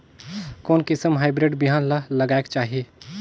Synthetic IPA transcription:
koːnkɪsəmɦaɪbɾeɖbiɦaːnlaləɡaːekt͡ʃaːɦie

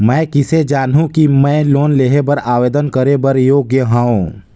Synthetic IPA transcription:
mɛ̃ːkɪsed͡ʒaːnɦũkimɛ̃ːloːnleɦebɐɾaːʋeːd̪ənkəɾebɐɾjoːɡjəɦaːõ

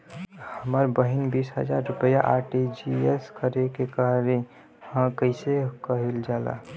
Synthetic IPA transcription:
həməɾbəɦinbisɦə̰d͡ʒaɾːʊpəjaʔaɾʈid͡ʒieskəɾekekaɾe | hãkəɪsekəɦild͡ʒaːla̰

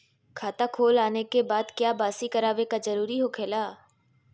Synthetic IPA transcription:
kʰaːt̪akʰoːlaːnekebaːd̪kjaːbaːsikəɾaːʋekazəɾuːɾiɦoːkʰeːlaː

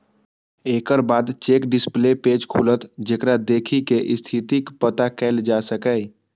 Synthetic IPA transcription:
eːkəɾbaːd̪t͡ʃeːkɖɪsplepeːd͡ʒkʰuːlət̪d͡ʒeːkɾad̪eːkʰikeʔɪst̪ʰit̪ikpət̪akɛːld͡ʒaːsəkɛj

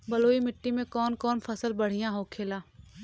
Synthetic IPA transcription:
bɐloːimɪʈːimẽkɔːnkɔːnpʰɐsəlbɐɽ̤ijãɦoːkʰeːlaː

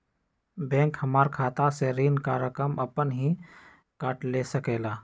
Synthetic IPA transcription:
bɛ̃ːŋkhɐmaːɾkʰaːt̪aseɾiːnkaːɾjəkɾəməpənɦi | kaːʈleːsəkeːlaː

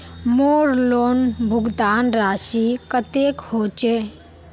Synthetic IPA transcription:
moːɾloːnbʱʊɡd̪aːnɾaːsikət̪ekhoːt͡ʃeː

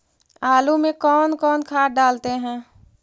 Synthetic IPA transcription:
aːlumẽkɔːnkɔːnkʰaːʈ̚ɖaːlt̪eɦɛ̃ː

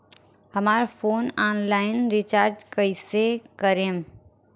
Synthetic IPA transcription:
ɦəmaːɾfoːnaːnlaːɪnɾɪt͡ʃaːɾd͡ʒkəisekəɾem

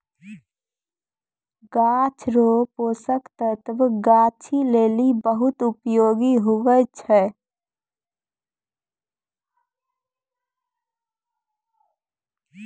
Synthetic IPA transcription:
ɡaːt͡ʃʰɾoːpoːsəkt̪ət̪ʋɡaːt͡ʃʰileːlibəɦʊt̪ʊpjoːɡiɦʊʋət͡ʃʰɛː

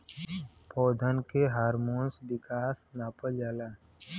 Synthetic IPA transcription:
pɔːd̪ʱənkeɦaːɾmoːnsbɪkaːsnaːpəld͡ʒaːlaː

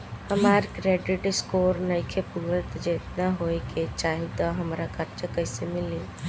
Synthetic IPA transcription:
həmaːɾkɾeːɖɪʈɪskoːɾnəjkʰepuɡət̪d͡ʒeːt̪naɦojket͡ʃaːɦit̪ɔɦəmɾakəɾt͡ʃəkəɪsemɪli

